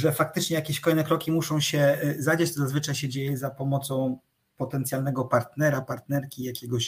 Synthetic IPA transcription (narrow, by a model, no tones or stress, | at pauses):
ʐɛfak̚t̪ɘt͡ʂɲɛjakʲeɕkɔlɛjnɛkɾɔkʲimuʂɔ̃w̃ɕɛzad͡ʑat͡ɕt̪ɔzazvɘt͡ʂajɕɛd͡ʑejɛzapɔmɔt̪sɔ̃w̃ | pɔt̪ɛnt̪sʲjalnɛɡɔpaɾt̪nɛɾapaɾt̪nɛɾkʲijakʲɛɡɔɕ